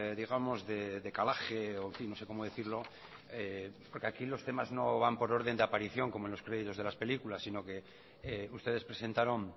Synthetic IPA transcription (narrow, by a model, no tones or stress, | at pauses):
ðiɣ̞amo̞zðe̞ðe̞kalaxe̞oeɱfinːo̞se̞ko̞moðe̞θiɾlo̞ | epo̞ɾke̞akilo̞st̪e̞mazno̞βampo̞ɾo̞ɾðe̞nd̪eapaɾiθjo̞ŋkomonlo̞skɾe̞ð̞it̪o̞zðelaspe̞likulasːino̞ke̞ | eust̪e̞ð̞espɾe̞sẽ̞nt̪aɾo̞ŋ